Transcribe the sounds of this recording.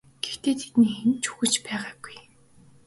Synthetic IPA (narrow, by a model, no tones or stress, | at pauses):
ɡ̥ext̪eːt̪ʰe̥t̪niːxent͡ɕu̥xɘ̆t͡ɕpæːʁaːɡuj